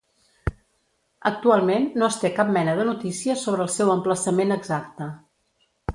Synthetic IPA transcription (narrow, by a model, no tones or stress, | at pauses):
ə̰k̚t̪ualˠmenːoəst̪ekap̚mɛnəðənut̪isiəsoβ̞ɾəːlˠsɛwəmpləsəmenəɡzak̚t̪ə